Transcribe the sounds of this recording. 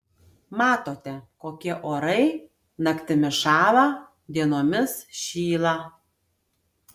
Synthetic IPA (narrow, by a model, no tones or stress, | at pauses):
mɑːt̪oːt̪ʲɛkoːkʲiɛʔoːɾɐɪ | nɐkt̪ʲɪmʲɪʃɑːʋɑ | d̪ʲiɛnoːmʲɪsʃʲiːlˠɑ